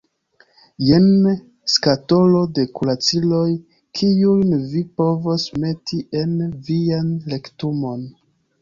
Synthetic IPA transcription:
jen | skato̞lo̞de̞kulat͡silo̞j | kʰiujnvipo̞vo̞sme̞tʰiʔe̞nvianle̞ktumo̞n

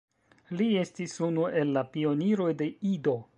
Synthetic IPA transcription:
lie̞stisunue̞lːapio̞niɾo̞jde̞ido̞

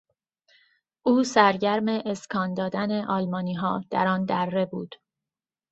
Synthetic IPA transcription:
ʔuːsæɾɟæɾmeʔːskʰɒːnd̪ɒːd̪æneʔɒːlmɒːniːɦɒːd̪̥æɾɒːnd̪ærːe̞buːd̪̥

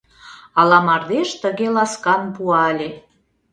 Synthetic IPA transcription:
ɑlɑmɑrd̪eʃt̪ə̆ɣelɑskɑnbuɑlʲe

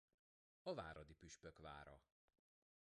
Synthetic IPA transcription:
ɒvaːɾɒd̪ipyʃpøkva̰ːɾɒ̰

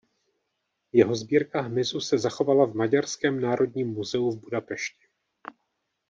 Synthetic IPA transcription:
jɛɦo̞zbiːɾkaɦmɪzusɛzaxo̞valavmaɟaɾskɛːmnaːɾʔo̞dɲiːmːuzɛuvbudapɛʃcɪ̥

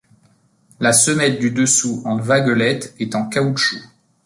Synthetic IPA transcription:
lasəmɛt̪̚d̪yd̪əsuɑ̃vaɡɔlɛt̪ɛt̪ɑ̃kautʃu

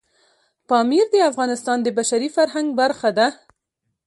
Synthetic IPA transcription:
pɑmiɾd̪əafɣɑnɪst̪ɑnd̪əbaʃaɾifaɾɦaŋɡbaɾxad̪a

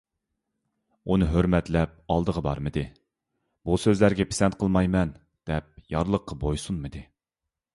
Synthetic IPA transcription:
unɨɦøɾmɛt̪lɛp̚ɑlˠd̪əʁəbɑ̰ɾmɨd̪ɨ | b̥usøzlæɾɡʲɛpʰe̥sɛnt̪̚qʰəlˠmɑjmɛn | d̪̥ɛp̚jɑɾlˠəqːɑbojsunmɨd̪ɪ

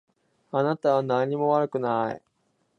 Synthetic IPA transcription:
anat̪aβanaɲ̟ːimo̞βaɾɯ̟kɯ̟naḭ

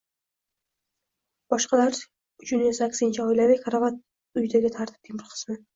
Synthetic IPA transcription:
b̥ɒʃqɑlaɾ | ʊt͡ʃʰʊnɪsakʲsɪnt͡ʃʰaɒjlavɪkʰaɾavat̪̚ | ʊjd̪aɡʲɪt̪ʰaɾt̪ʰɪ̥p̚t̪ʰimɪɾqʰɨ̥smɪ

